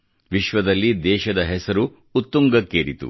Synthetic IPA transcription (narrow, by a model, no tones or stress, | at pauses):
ʋiʃʋɐd̪ɐlːid̪ɛːʃɐd̪ɐɦɛsɐɾuː | t̪ːuŋɡɐkːeːɾit̪ṵ